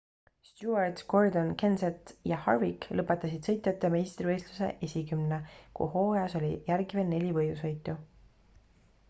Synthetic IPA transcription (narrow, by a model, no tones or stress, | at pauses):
st̪juɑrt̪ko̞rd̪o̞nke̞nset̪jɑhɑ̰rviklɤpːˑet̪ːˑɑsid̪̥sɤjt̪ˑjɑt̪ˑːe̞mejst̪rivɤjsluse̞̰ʔesʲikymnekṵho̞ːjɑso̞lʲḭjærɡivennːe̞lʲivɤjd̪usho̞jt̪ˑu